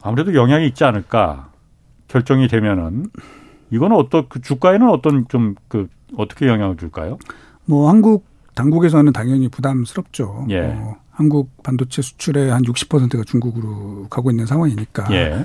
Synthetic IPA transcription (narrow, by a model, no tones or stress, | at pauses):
amuɾe̞dojʌŋɦjaŋiːt̚t͡ɕ͈ianɯɭk͈a̰ | kjʌɭt͡ɕ͈ʌŋidwe̞mjʌnɯn | iɡʌnɯnʌt͈ʌkɯt͡ɕuk͈aenɯnʌt͈ʌnt͡ɕomkɯ | ʌt͈ʌ̥kʰe̞jʌŋɦjaŋɯɭt͡ɕuɭk͈a̰jo | mʌhanɡuk̚ | taŋɡuɡe̞s̬ʰʌnɯntaŋjʌŋipudamsʰɯɾʌp̚t͡ɕ͈ojehanɡuk̚pandot͡ɕʰe̞sʰu̥t͡ɕʰuɾe̞hanjuk̚ɕ͈i̥pʰʌsʰentʰɯɡat͡ɕuŋɡuɡɯɾokaɡoinːɯnsʰaŋwaŋiɲik͈aje̞